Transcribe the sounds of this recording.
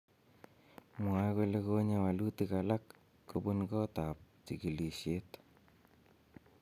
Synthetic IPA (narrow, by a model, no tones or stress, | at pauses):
ŋwakolekoɲawalutikalakː | obunkɔtap̚tikiliʃjet